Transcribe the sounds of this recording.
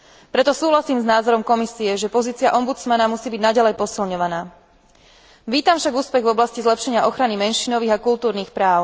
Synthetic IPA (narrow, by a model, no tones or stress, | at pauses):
pɾɛt̪ɔsuːɦlasiːmznaːzɔɾɔmkɔmisiɛʒɛpɔziːt͡siɪaʔɔmbut͡smanamusiːbiɟnaɟalɛjpɔsilɲɔʋanaː | ʋiːt̪amfʃaɡuːspɛɣvɔblascizlɛpʃɛɲɪaʔɔxɾanimɛnʃiːnɔʋiːɣakult̪uːɾniːxpɾaːʊ